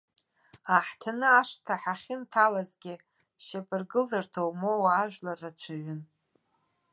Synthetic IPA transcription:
aħtʰanɨaʂtʰaħaχʲɪntʰalazɡʲɪ | ʃapʰʼɨrɡɨlzɨrtʰowmowaːʒᶣʷlarat͡ʃʷʰɨɥʷʏn

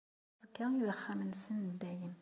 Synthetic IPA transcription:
zəkːaiðəχːæmənsənd̪ːæjən

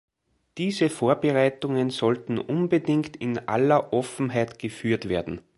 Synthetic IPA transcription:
d̥iːzəfoːɐbəʁaɪtʊŋənzɔltn̩ʔʊnbədɪŋktɪnʔa̰lɐʔɔfn̩ɦaɪtɡ̥əfyːɐtv̥eːɐdn̩

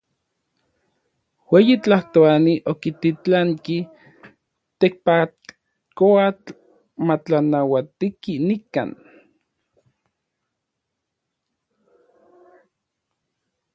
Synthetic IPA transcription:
weːjit͡ɬaht̪oaniʔokit̪it͡ɬaŋki | t̪ek̚pa | koat͡ɬ | mat͡ɬanawat̪ikinika̰ːn

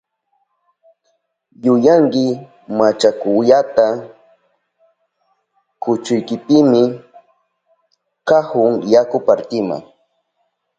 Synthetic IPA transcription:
jʊjaŋkɪ | mat͡ʃakʊjat̪a | kʊt͡ʃʊjkɪpɪmɪ | kahʊŋjakʊpaɾt̪ɪma̰ŋ

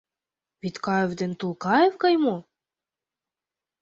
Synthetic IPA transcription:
βit̪kɑevd̪ĕnt̪ulˠkɑevkɑjmo

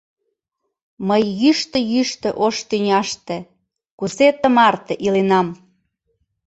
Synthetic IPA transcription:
məjːyʃt̪ə̆jyʃt̪ə̆ʔoʃt̪ynʲɑʃt̪ĕ | kuset̪ə̆mɑrt̪eʔilenɑm

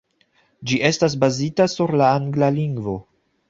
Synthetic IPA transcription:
d͡ʒiʔe̞stas̬bazitasuɾlaaŋɡlaliŋɡvo̞

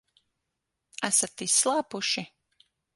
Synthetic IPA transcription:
asat̪ːislˠaːpuʃi

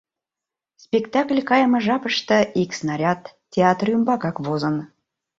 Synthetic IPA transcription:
spʲekt̪ɑklʲkɑjəmɤ̆ʒɑpəʃt̪ə̆iksnɑɾʲɑt̪ːʲeɑt̪rymbɑkɑkβozən

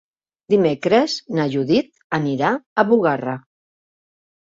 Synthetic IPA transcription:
d̪imekɾəznaʒuðit̪̚ | əniɾaəβuɣara

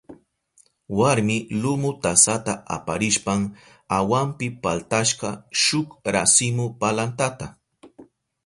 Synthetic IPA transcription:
waɾmɪlʊmʊt̪asat̪aʔa̰paɾɪʃpaŋ | awampɪpalt̪aʃqɑʃʊkɾasɪmʊpalant̪at̪a

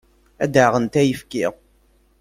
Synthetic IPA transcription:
æ̰d̪əʁənt̪æjəfkiʁ

